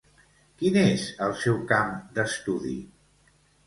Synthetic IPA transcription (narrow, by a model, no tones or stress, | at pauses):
kinezəlˠsɛwkamd̪əst̪uðḭ